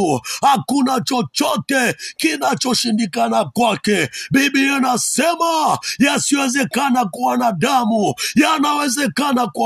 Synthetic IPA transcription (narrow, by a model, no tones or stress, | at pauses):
hakunat͡ʃɔt͡ʃɔtɛkinat͡ʃɔʃindikanakwakɛbibianasɛmajasiwɛzɛkanakuwanadamujanawɛzɛkanakwa